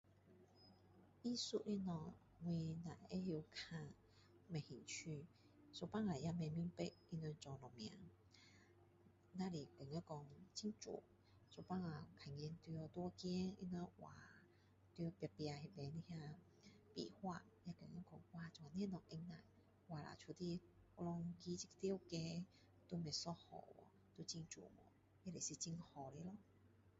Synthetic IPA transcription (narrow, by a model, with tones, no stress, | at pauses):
i˦su˧ʔi˧˥nɔ˧˩ | ŋwi˧na˨˩˨je˦ji˧kʰã˧ | mɛ̃˨˩hi˨˩ŋt͡ɕʰy˧ | so˧˩pa˦˨ŋla˨˩jja˧mɛ̃˧˨mju˧˦ŋpe˦ʔ̚i˧nwɛ˧nt͡sɔ˨˩lɔ˨˩mj̃ã̰˨˦ | nã˧li˨˩ke˨˩ŋɛ˧˦kɔ˧ŋt͡ɕʰi˦ŋt͡sṵ˨˦ | so˧˩pa˦˥ŋa˨˩kʰa˨˩ŋ˧ɛ˧nt̪jɔ˧t̪wɔ˦kjɛ˦nḭ˧nwɛ˧˦nwa̰˨˩ | t̪i˧pja˧pja˧hi˧be˧ni˧hja˧ | pḭ˨hwa˧ | ja˧kə˨˩ŋa˧˦kɔ˧ŋwa˧˨t͡sɔ˨a˨ni˧˦˨nɔ˨ŋʔe˧ŋna̰˨j | wa˨˩la̰˨˩t͡ɕʰu˧˩t̪i˧˥˧lɔ˧ŋki˧˦t͡ɕi˦˧kt̪i˦wke˧ | t̪u˧me˨˩sɔ˧hɔ̰˨˩wɔ̰˨˧ | t̪u˧˦t͡ɕi˧ŋt͡ʃṵ˨˩mɔ̰˨˩˦ | e˧˦le˨˩si˧t͡ɕi˧ŋhɔ˨˩le˧˦lɔ˧˦